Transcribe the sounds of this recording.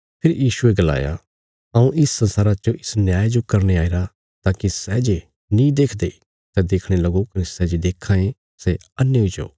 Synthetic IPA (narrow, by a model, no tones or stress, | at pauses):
pʰɪɾjiːʃueɡɐla̰ːja̰ | ɐũʔɪsːɐ̃nsaːɾat͡ʃoʔɪsnjaːjed͡ʒokɐɾñeaːiɾa | t̪aːkisɛd͡ʒe | nĩd̪eːkʰd̪e | sɛd̪eːkʰɽ̃elɐɡokɐnesɛd͡ʒed̪eːkʰːãːẽ | se | ɐnːjeoid͡ʒo̰ː